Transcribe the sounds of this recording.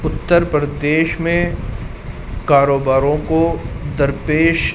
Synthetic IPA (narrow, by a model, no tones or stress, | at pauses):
ʊt̪ːəɾpɾəd̪eːʃmẽ | kaːɾoːbaːɾõkod̪ɐɾpeːʃ